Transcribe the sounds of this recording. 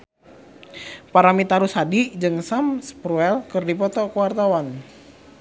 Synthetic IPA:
paɾamit̪aɾusadid͡ʒɨŋsamspɾuɛlkɨrdipɔt̪ɔkuwart̪awan

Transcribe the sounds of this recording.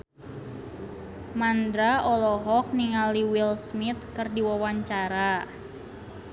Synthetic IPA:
mand̪ɾaɔlɔɦɔk̚niŋaliwilsmit̪̚kɨrdiwawaɲt͡ʃaɾa

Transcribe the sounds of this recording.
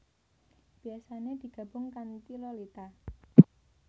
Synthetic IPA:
b̥i̤asaned̪̥i̤ɡ̥a̤b̥ʊŋkant̪ilɔlit̪a

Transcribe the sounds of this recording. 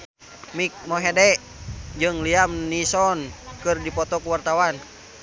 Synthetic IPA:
mik̚mɔɦɛdɛʔ | d͡ʒɨŋliamnisɔnkɨrdipɔt̪ɔkuwart̪awan

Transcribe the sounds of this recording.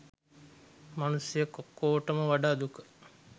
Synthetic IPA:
manusjəkokːoːʈəməʋaɖaːd̪ukə̥

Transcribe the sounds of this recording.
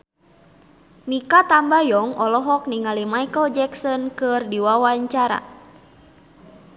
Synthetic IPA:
mikat̪ambajɔŋɔlɔɦɔk̚niŋalimaikəld͡ʒɛksɔnkɨrdiwawaɲt͡ʃaɾa̰

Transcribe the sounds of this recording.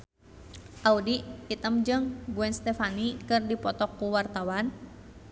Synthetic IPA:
ʔaudiit̪əmd͡ʒɨŋɡuɛnst̪ɛfanikɨrdipɔt̪ɔkːuwart̪awan

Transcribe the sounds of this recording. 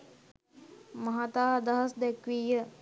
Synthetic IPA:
mɐɦat̪aːd̪ɐɦɐsd̪ɛkʋiːjə

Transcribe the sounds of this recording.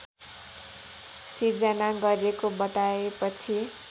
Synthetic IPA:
siɾd͡zʌnaɡʌɾiekobʌt̪aepʌt͡sʰi

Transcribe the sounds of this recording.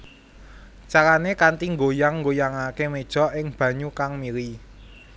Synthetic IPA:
t͡ʃakanekant̪iŋɡojaŋːɡojaŋakemed̥ʒ̥ɔ̤ʔɪŋb̥ä̤ɲukaŋmiɾi

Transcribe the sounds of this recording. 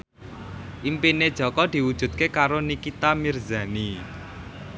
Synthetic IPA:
ʔimpined̥ʒ̥ɔ̤kɔd̪̥i̤wud̥ʒ̥ṳd̪̚kekaɾonikit̪amirza̤ni

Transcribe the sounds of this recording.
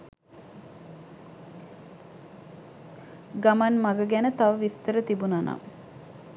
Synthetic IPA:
ɡamanmaɡəɡænət̪aʋəʋist̪əɾət̪ibunanʔa̰

